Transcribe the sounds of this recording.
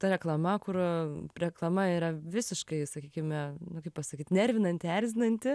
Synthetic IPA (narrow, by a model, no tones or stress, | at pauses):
t̪ɐɾʲɛklˠɐmɐkʊrɾʲɛklˠɐmɐiɾɐʋʲɪsʲɪʃkɐɪsɐkʲiːkʲɪmʲɛnʊkɐɪpɐsɐkʲiːt̪nʲɛɾʲʋʲɪnɐnʲt̪ʲæɾʲzʲɪnɐnʲt̪ʲɪ